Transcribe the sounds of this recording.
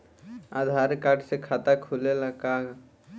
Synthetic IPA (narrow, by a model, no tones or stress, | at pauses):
aːd̪ʱaːɾkaʈʰsekʰat̪akʰulelakaːɡ